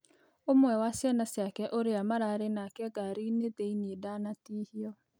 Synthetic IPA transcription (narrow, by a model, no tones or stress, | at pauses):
omwɛwasijanasjakɛʔoɾeamaɾaːɾenakɛɡaɾineteinedanatiːhiɔ